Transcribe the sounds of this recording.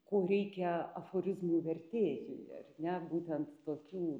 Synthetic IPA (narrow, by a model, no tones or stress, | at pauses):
koːɾʲɛɪkʲɛɐfoːɾʲɪzmuʋʲɛrʲt̪ʲeːjʲɪ̰jɐ̰rnʲɛbuːt̪ʲɛnt̪t̪oːkʲuː